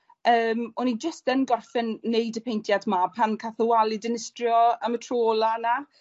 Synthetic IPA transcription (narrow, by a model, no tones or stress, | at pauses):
əːmɔnid͡ʒəstənɡɔrfɛnːejdəpʰejntʰjadmapʰankʰaθəwalˠɪdɪnɪstrjɔəmətʰroːlˠana